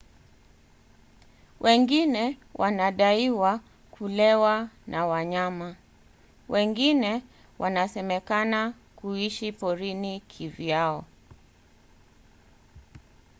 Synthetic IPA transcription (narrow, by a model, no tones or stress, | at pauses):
wʔɛŋɡinɛwʔanaɗaiwa | kulɛwanʔawaɲama | wʔɛŋɡinɛ | wʔanasɛmɛkana | kuiʃipɔɾinikʰivjaɔ